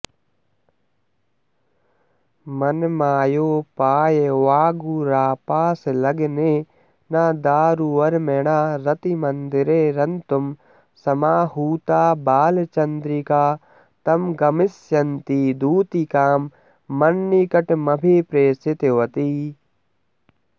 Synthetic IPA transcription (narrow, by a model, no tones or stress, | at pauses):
mɐnmaːjoːpaːjeʋaːɡuɾaːpaːslɐɡneː | naːd̪aːɾuɐɾmeɳaːɾɐt̪imɐnd̪ɪɾeːɾɐnt̪um | sɐmaːɦuːt̪aːbaːlt͡ʃɐnd̪ɾikaː | t̪ɐmɡɐmɪsjɐnt̪id̪uːt̪ikaːmː | ɐnːikɐʈmɐbʱepɾeːsɪt̪eʋɐt̪iː